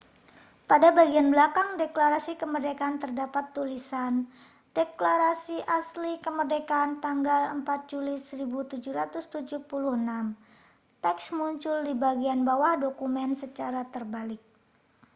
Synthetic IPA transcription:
padabaɡianbəlakaŋdeklaɾasikəmərdekant̪ərdapat̪ːulisan | d̥eklaɾasiʔaslikəmərdekant̪aŋɡaləmpat̪̚d͡ʒulisəɾibut̪ud͡ʒuɾat̪ʊst̪ud͡ʒuhpuluhənam | t̪ɛksmuɲt͡ʃʊldibaɡianbawahdokumɛnsət͡ʃaɾat̪ərbalɪk̚

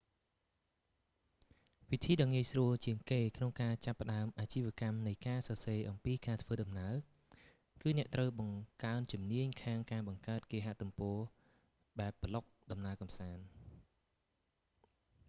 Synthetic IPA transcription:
ʋit̪ʰiːɗɑŋiəjsruəlt͡ɕiəŋkeːkʰnoŋkaːt͡ɕapːə̆ɗaəmʔaːt͡ɕiːʋĭəkamnɨjkaːsɑseːʔɑmpiːkaːt̪ʰʋəːɗɑmnaə | kɨːnɛ̆əʔt̪rəwɓɑŋkaənt͡ɕumniəɲkʰaːŋkaːɓɑŋkaət̪̚keːɦaʔt̪umpɔːə | ɓaɛpːəlok̚ɗɑmnaəkɑmsaːn

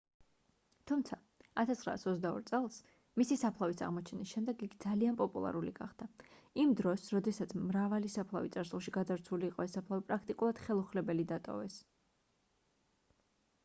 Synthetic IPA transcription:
t̪ʰumt̪sʰa | at̪ʰast̪χɾa̰ːsɔt̪zd̪aɔ̰ɾt̪sʼɛlˠs | misisapʰlˠavisa̰ʁmɔt͡ʃʰɛnisʃɛmd̪ɛɡikʰd̪zalianpʼɔpʼulˠa̰ɾuliɡa̰χd̪̥aimd̪ɾɔsɾɔd̪ɛsat̪sʰmɾavalisapʰlˠavit̪sʼaɾsulˠʃiɡad̪avɾt̪sʰuliːqʼɔɛsːapʰlˠavipʼɾak̚ʰt̪ʼikʼulˠad̪̥χɛlˠuχlɛbɛlid̪at̪ʼɔ̰vɛs

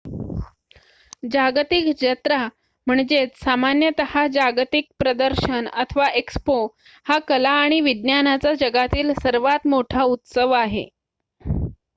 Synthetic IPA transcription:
d͡ʑaɡt̪ikd͡ʑət̪ɾa | m̤əɳd͡zet͡ssamanjət̪əhad͡ʑaɡt̪ik̚pɾəd̪əɾɕənət̪ʰəʋaʔekspo | hakəlaːɽ̃iʋid̪njanat͡sad͡ʑəɡat̪iːlsəɾʋat̪moʈʰaut̪səʋaɦḛ

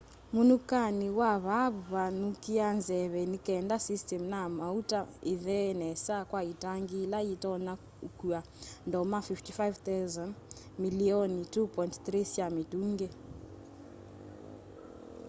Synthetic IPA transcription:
munukaniwaβaββanukianzɛβɛnikaɛndasistɛmnamautaiðɛnɛsakwaitaŋɡilaitɔna | ukua | ndɔmafiftifajvt̪azan | miliɔnitupɔjntθrisamituŋɡɛ

